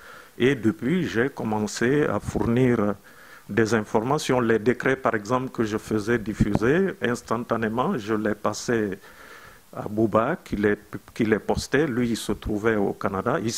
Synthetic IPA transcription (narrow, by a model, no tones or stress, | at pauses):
ed̪əpɥiʒekɔmɑ̃sea̰fuʁniʁ | d̪ɛzɛ̃fɔʁmasjɔ̃lɛd̪ekχɛpaʁɛɡzɑ̃plkəʒəfəzɛd̪ifyzeɛ̃st̪ɑ̃t̪anemɑ̃ʒəlɛpasɛ | a̰bubakʰilɛkilɛpɔst̪ɛlɥiːlsət̪χuvɛo̰kanad̪aʔi